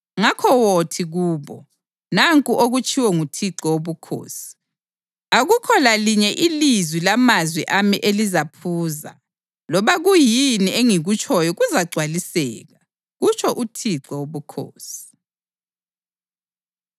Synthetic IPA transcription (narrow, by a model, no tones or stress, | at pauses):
ŋakʰɔwotʰiɣuːβɔ | naŋkʼuʔoɣut͡ʃʼʰiwɛŋutʰiǁɔwoβukʰo̰ːsi̥ | aɣukʰɔlaliɲɛʔilizwilamazwiʔamiʔelizapʰuːza̰ | lɔβaɣujinieŋiɣut͡ʃʼʰɔjɔɣuzaɡ͡ǀʱwalisɛ̰ːɣa | ɣut͡ʃʰʼɔʔutʰiǁɔwoβukʰo̰ːsi̥